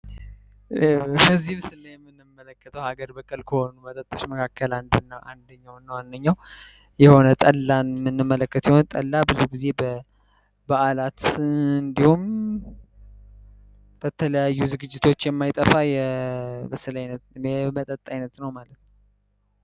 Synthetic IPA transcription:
kəzːihmsɨnːajɛmːɨnːɨmːələkːət̪ʰəwhaɡəɾbəkʼəlkʰəho̞nubət̪ʼət̪ʼːəʃməkʰakʰːəland̪nːaʔa̰nd̪əɲːawnːəwand̪əɲːaw | jɛho̞nət̪ʼəlːanmːɨnːɨmːələkːət̪jɛhont̪ʼəlːabɨzuɡize̞bə | baʔalat̪ɨnd̪ihum | b̥ət̪ʰələjajːuzɨɡɨd͡ʒːɪt̪ʰo̞t͡ʃːjɛmːajt̪ʼəfajɛməsəlajnət̪ɛmət̪ʼət̪ʼːajnət̪nəwmalət̪n

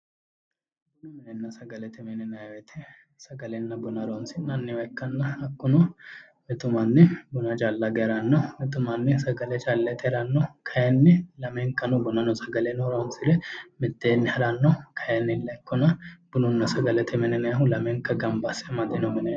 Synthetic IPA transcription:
nɐmɪnɛnːɐsɐɡɐlɛt̪ɪmɛnɛnɐjwɛt̪ʰɪ | sɐɡɐlɛnːɐbʊnɐɾonsɪnːɐnːɪwɐkːɐnːɐɐkːʊnɔ | mɛt̪ʊmɐnːɪbʊnɐd͡ʒaːlːɐɡɛɾɐnːɔmɪt̪ʊmɐnːɪsɐɡɐlɛt͡ʃalːɛt̪ʰʼɛɾɐnːɔkʰɐjɛnːɪlɐmeŋkːɐnʊbʊnɐnɔsɐɡɐlɛnɔɾonsɪlɛmɪt̪ːeːnːɪhɐɾanːɔkʰɐjɛnːɪlːɛkːʊnɐb̥ʊnʊnːɐsɐɡɐlɛt̪ɪmɛnɛnɐjɐɦʊlɐmeŋkːɐɡɐmbasɛmɐd̪enɔmɪnɛj

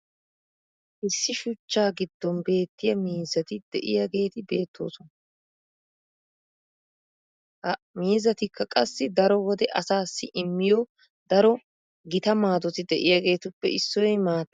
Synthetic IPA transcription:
ʔɪsːɪʃʊt͡ʃːaːɡɪd̪̥ːɔnbe̞ːt̪ːɪjɐmiːzːɐt̪ɪd̪̥ɛʔɪjɐɡe̞ːt̪ɪbe̞ːt̪ʰːo̞̰ːsɔnɐ | miːzːɐt̪ɪkʰːɐkʼɐsːɪd̪ɐɾɔwɔd̪ɛʔɐsaːsːɪʔɪmːɪjɔ | d̪̥ɐɾɔ | ɡɪt̪ɐmaːd̪ɔt̪ɪd̪ɛʔɪjaɡe̞ːt̪ʊpːɛ̰ɪsːɔjmaːt̪ː

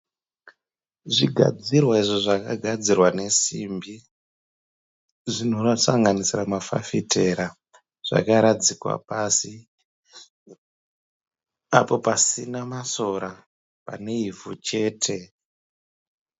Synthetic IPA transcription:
ʐiɡʱa̰d͡zirwaiʐoʐakaɡʱad͡zirwane̞simbi | ʐino̞rasaŋɡanisiramafa̰fitʰe̞ɾa | ʐ̥a̰kaɾad͡zikwa̰pasi | apo̞pasinamaso̞ɾa | pa̰ne̞ivʱut͡ʃe̞ːtʰe̞

